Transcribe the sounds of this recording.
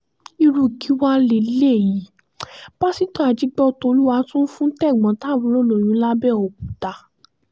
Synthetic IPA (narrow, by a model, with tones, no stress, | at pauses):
i˧ɾu˧˨ki˨˦wa˧le˧˨˦le˦˨ji˨˦ | b̥a˦si˨˦tɔ̃˦˨a˨d͡ʒi˨˧˦ɡ͡bɔ˧to˧˦lu˦wa˧˦tũ˦n̩˦fũ˦tɛ˦˨ɡ͡bɔ̃˨˦ta˨˦˨wũ˨˦lo˦˨lo˨j̃ũ˨˦la˦bɛ˦˨o˨k̚u˨ta˧